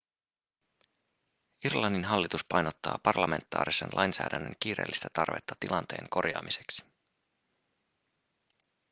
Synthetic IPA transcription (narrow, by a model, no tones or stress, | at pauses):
irlɑnːinɦɑlːit̪uspɑjnot̪ːɑ̰ːpɑrlɑme̞nt̪ːˑɑ̰ːɾisenlʔɑjnsæːdænːə̰ŋk̟iːɾeːlːist̪æt̪ɑrʋe̞t̪ːɑt̪ilʔɑnt̪e̞̰ːŋko̞rjɑ̰ːmise̞ksi̥